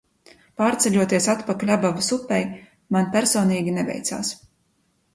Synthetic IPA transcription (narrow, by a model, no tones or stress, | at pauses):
paːɾt̪sɛʎʲuɔt̪iɛsat̪pakalʲabavasupʲːɛj | manpʲæɾsɔːniːɡʲinɛvʲɛ̰jt̪sa̰ːs